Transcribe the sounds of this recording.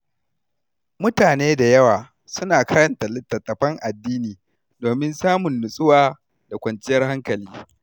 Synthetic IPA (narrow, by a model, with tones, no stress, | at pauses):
mʊ˦taː˨neː˦da˨jɐ˦waː˨ | sʊ˦naː˨kɐ˦ɾɐ˨nta˨lɪ˦tːɐ˨tːɐ˨ɸɐ˦ŋʔa˨dːiː˦niː˨ | doː˨mɪ˦nsaː˦mʊ˨nːʊ˨sʼʊ˦waː˦ | d̥a˨kʷɐ˨nt͡ʃɪ˦jɐ˦rha˦ŋkɐ˨liː˦